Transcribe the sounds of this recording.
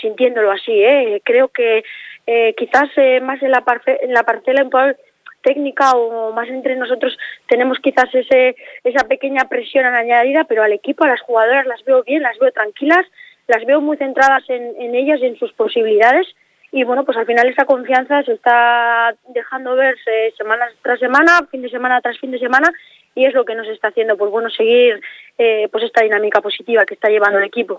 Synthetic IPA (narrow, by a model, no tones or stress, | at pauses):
sint̪je̞nd̪o̞lo̞asie̞kɾe̞o̞ke̞ | kiθasemase̞nlapaɾθeenlapaɾθe̞laiŋkwal | t̪e̞ɡnikaoːmas̬e̞nt̪ɾe̞no̞so̞t̪ɾo̞st̪e̞ne̞mo̞skiθase̞see̞sape̞ke̞ɲapɾe̞sjo̞nanaɲaðiðape̞ɾo̞ale̞kipoalasxuɣað̞o̞ɾazlazβe̞oβje̞nlazβe̞o̞t̪ɾaŋkilas | lazβe̞o̞mujθe̞nt̪ɾaðase̞ne̞ne̞ʎas̬ie̞nsuspo̞siβiliðað̞e̞s | iβwe̞no̞pwe̞salfinale̞sako̞ɱfian̟θase̞st̪a | d̪e̞xand̪o̞β̞e̞ɾese̞mãnast̪ɾas̬e̞mãnafind̪e̞se̞manat̪ɾasfind̪e̞se̞mãna | ie̞zlo̞ke̞no̞s̬e̞st̪aːθje̞nd̪o̞pwo̞zβwe̞no̞se̞ɣ̞iɾepwo̞sest̪aðinãmikapo̞sit̪iβake̞st̪aʎe̞βand̪oale̞kipo̞